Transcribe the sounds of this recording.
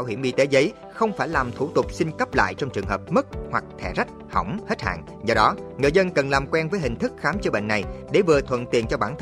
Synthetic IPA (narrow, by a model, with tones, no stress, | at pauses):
aː˧˩whi˧˩mɓḭ˧˨t̪e˨˦zə˨˦j | xə˧wŋ͡mfaː˧˩jlaː˨˩mt̪ʰu˧˩t̪ʊ˨˩k͡p̚si˧nkə˦˥p̚la̰ː˧˨jt͡ɕɔ˧wŋ͡mt͡ɕɨ˨˩əŋɦəː˨˩p̚mə˦˥k̚hwa˨˩k̚t̪ʰɛ˧˩za˦˥k̚hə˧˩wŋ͡mhe˦˥t̚ha̰ː˧˨n | zɔ˧ɗɔ˨˦ŋɨ˨˩əjzə˧nkə˨˩nlaː˨˩mkwɛ˧nvəː˨˦jɦï˨˩ŋ̟t̪ʰɨ˦˥k̚xaː˨˦mt͡ɕə˧ɓḛ˧˨nːa˨˩jɗe˧˩vɨ˨˩ət̪ʰwə̰˧˨nt̪i˨˩ənt͡ɕɔ˧ɓaː˧˩nt̪ʰ